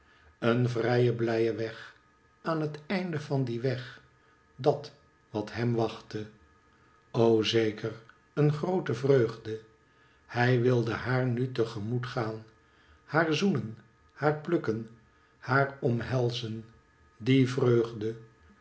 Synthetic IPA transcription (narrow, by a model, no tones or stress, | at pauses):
ənvrɛjəblɛjəʋɛχ | aːnɦətɛjndəvɑndiʋɛχ | dɑt | ʋɑtɦɛmʋɑχtə | owzeːkər | ənχrowtəvrøɥχdə | hɛjʋɪlˠdəhaːɹnytəχəmutχaːn | haːɹzunən | haːɹplɵkən | haːrɔmɦɛlˠzən | divrøɥχdə